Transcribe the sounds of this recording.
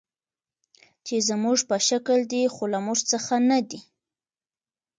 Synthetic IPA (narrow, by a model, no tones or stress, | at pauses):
t͡ʃezəmuʐpəʃakəld̪ixolamuʐt͡səxanad̪i